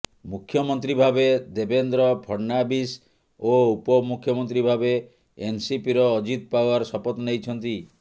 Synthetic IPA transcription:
mukʰːjɔmɔnt̪ɾibʱabed̪ebend̪ɾɔbʱɔɾnabis | oupɔmukʰjɔmɔnt̪ɾibʱabeː | nsipiɾɔːd͡ʒit̪̚pawaɾɔsɔpɔt̪ɔnejt͡ʃʰɔnt̪i

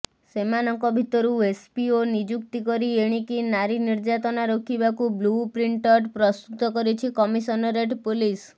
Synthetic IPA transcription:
semanɔŋkɔbʱit̪ɔɾuespionid͡ʒukt̪ikɔɾieɽ̃ikinaɾiniɾd͡ʒat̪ɔnaɾokʰibakublupɾiɳʈɔʈpɾɔst̪ut̪ɔkɔɾit͡ʃʰikɔmisɔnɔɾeʈpulis

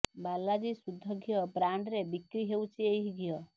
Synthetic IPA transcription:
balːad͡ʒisud̪ʱːɔɡʱijɔbɾaɳɖɾebikɾiɦewt͡ʃʰieɦiɡʱjɔ

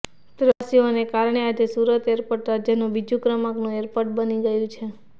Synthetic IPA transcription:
pɾəsionekaɾɳead͡ʒesuɾət̪eɾpəʈɾad͡ʒjənũbid͡ʒũkɾəmaknũeɾpəʈ̚bəniɡəjũt͡ʃʰe

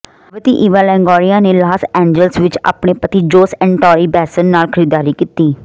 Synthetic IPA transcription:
ʋət̪iːʔɪʋaːlɛ̃ːŋɡɔːɾijaːneːlaːsɛ̃ːɲd͡ʒəlsʋɪt͡ʃa̰ːpɳeːpət̪iːd͡ʒoːsɛ̃ːɳɖʈɔːɾiːbɛːsənːaːlkʰəɾiːd̪aːɾiːkiːt̪iː

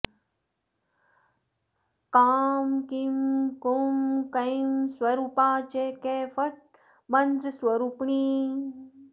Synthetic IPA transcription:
kaːmkimkumkɐjmswɐɾuːpaːt͡ʃekefɐʈ̚ | mɐnd̪ɾəswɐɾupɳiː

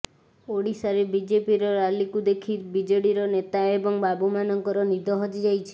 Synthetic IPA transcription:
oɽisaɾebid͡ʒepiɾɔɾalikud̪ekʰiɾbid͡ʒoɽiɾɔnet̪aebɔŋbabumanɔŋkɔɾɔnid̪ʱɔɦɔd͡ʒ̪id͡ʒajt͡ʃʰi̥

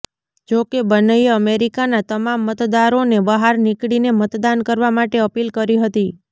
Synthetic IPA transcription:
d͡ʒokebənəjəmeɾikanat̪əmamːət̪d̪aɾonebəɦaɾnikɽinemət̪d̪ankəɾʋamaʈeəpilkəɾiɦət̪i

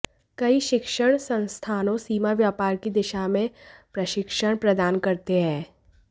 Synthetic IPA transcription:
kɐiʃɪkʃəɽ̃sɐ̃nst̪ʰaːnõsiːmaʋjaːpaːɾkid̪ɪʃamẽpɾɐʃɪkʃəɽ̃pɾɐd̪aːnkɐɾt̪eɦɛ̃ː

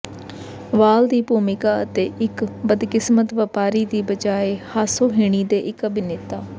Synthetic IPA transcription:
ʋaːld̪iːpuːmɪkaːət̪eːʔɪkbəd̪kɪsmət̪ʋəːpaːɾiːd̪iːbəd͡ʒaːeːhaːsoːɦɪːɽ̃iːd̪eːʔɪkəbɪneːt̪aː

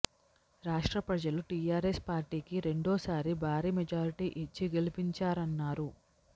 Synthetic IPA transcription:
ɾaːʂʈɾɐpɾɐd͡ʒɐluʈiːjaːɾespaːɾʈiːkiɾe̞ɳɖɔːsaːɾibʱaːɾiːmed͡ʒaːɾiʈiːʔit͡ʃːiɡe̞lipiɲt͡ʃaːɾɐnːaːɾu

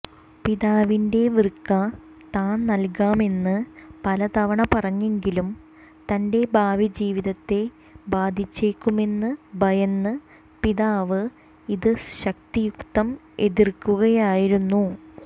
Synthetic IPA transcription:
piðaːʋinde̞ʋirkːɐ | t̪aːnnɐlkaːme̞nːɨpɐlɐt̪ɐʋɐɳɐpɐrɐɲːeŋɡilum | t̪ɐnde̞bʱaːʋid͡ʑiːʋiðɐt̪ːe̞ | baːd̪ʱit͡ɕːeːkːume̞nːɨbʱɐjɐnːɨ | piðaːʋɨ | iðɨɕɐk̚t̪ijukt̪ɐm | e̞ðirkːuɣɐjaːjiɾunːu

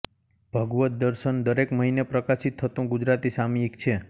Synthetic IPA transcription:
b̥ʱəɡʋət̪̚d̪əɾʃənd̪əɾekməɦinepɾəkasit̪ʰːət̪ũɡud͡ʒɾat̪isamiekt͡ʃʰe

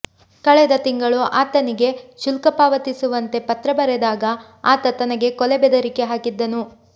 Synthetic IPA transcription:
kɐɭɛd̪ɐt̪iŋɡɐɭuʔaːt̪ɐniɡe̞ʃulkɐpaːʋɐt̪isuʋɐnt̪e̞pɐt̪ɾɐbɐɾɛd̪aːɡɐ | aːt̪ɐt̪ɐnɐɡe̞kɔlɛbɛd̪ɐɾike̞ɦaːkid̪ːɐnu

